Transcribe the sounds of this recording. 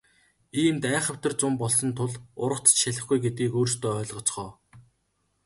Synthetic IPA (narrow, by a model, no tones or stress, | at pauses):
iːmt̪æːχə̆w̥ʲt̪ə̆rt͡sʊmpɔɮsɞ̆nt̪ʰʊɮʊɾə̆χt͡sʰə̥̆t͡ɕʃæɮʲɪ̆χɡujɡet̪ɡiːkoːrst̪oːœːɮʁɞ̆t͡sχɔː